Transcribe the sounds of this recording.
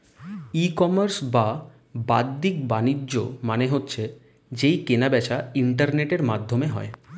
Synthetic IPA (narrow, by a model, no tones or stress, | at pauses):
ikɔmaɾsba | bad̪ːikbanid͡ʑʑo̰maneɦotːɕʰe | d͡ʑejkenabɛt͡ɕʰaiɳʈaɾneʈeɾmad̪ʱːomeɦɔ̰e